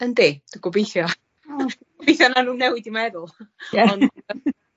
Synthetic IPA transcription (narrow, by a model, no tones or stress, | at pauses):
əndeːd̥uɡɔbejθjɔ | ɡɔbejθjɔnanuːnːɛwɪdimɛðʊlˠɔn